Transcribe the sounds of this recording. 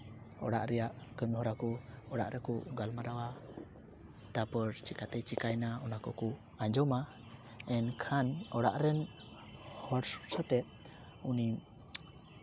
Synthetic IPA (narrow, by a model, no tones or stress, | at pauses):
ɔ̰ɽa̰ʔɾɛjaʔkənhɔɾakɔɔɽa̰ʔɾɛkɔɡalmaɾawa | t̪apəɾt͡ʃikat̪ɛjt͡ʃikajnaɔnakɔkɔ | aɲd͡ʒɔma | ɛnkʰanɔɽaʔɾɛn | hɔɽsu̥sət̪ɛ | uni